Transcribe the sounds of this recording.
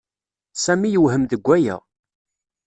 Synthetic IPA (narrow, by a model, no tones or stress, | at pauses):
sæmijəwhəmðəɡʷːæjæ̰